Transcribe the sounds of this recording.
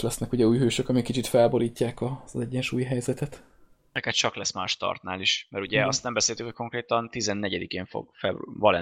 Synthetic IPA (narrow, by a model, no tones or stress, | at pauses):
lɛsnɛkuɟɛuːjɦøːʃøkɒmikːit͡ʃit̪fɛlbo̞ɾiːcːaːkɒzɛɟːɛnʃuːjɦɛjzɛt̪ɛt̪ | ɛkɛt̪̚t͡ʃɒklɛsmaːʃt̪ɒ̰rt̪na̰ːliʃmɛɾuɟɛɒst̪nɛmbɛseːlt̪ykho̞c̚ko̞ŋkɾeːt̪ɒnt̪izɛnːɛɟɛd̪ikeːɱfo̰ɡ̥fɛvɒlɛ̰